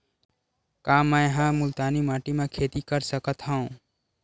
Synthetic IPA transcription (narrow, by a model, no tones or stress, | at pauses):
kaːmɛ̃ɦãmʊlt̪aːnimaːʈimẽkʰeːt̪ikəɾsəkət̪ɦaũ